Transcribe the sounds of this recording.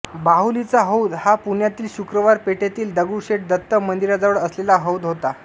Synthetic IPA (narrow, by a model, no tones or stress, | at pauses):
baɦulit͡saɦəwd̪hapuɳjat̪iːlɕukɾəʋaɾpeʈjat̪iːld̪əɡuɕeʈ̚d̪ət̪ːəmənd̪iɾad͡zəʋəɭəslelaɦəwd̪ɦot̪a